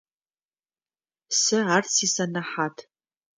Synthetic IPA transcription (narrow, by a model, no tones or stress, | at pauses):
sɨart͡sʰisanaħatʰ